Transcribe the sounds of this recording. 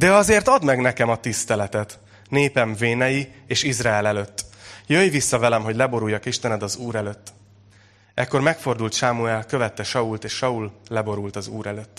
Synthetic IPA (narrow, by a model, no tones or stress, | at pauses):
d̪ɛɒzeːrt̪ɒd̪mɛɡnɛkɛmɒt̪ist̪ɛlɛt̪ɛt̪ | neːpɛɱveːnɛjieːʃizraɛlɛløt̪ːjøjvisːɒvɛlɛmɦo̞ɟlɛbo̞ɾujːɒkiʃt̪ɛnɛd̪ɒzuːɾɛløːt̪ː | ɛkːo̞rmɛkfo̞rd̪ult̪ʃaːmuɛlkø̞vɛt̪ːɛʃɒult̪eːʃːɒullɛbo̞ɾult̪ɒzuːɾɛløt̪ː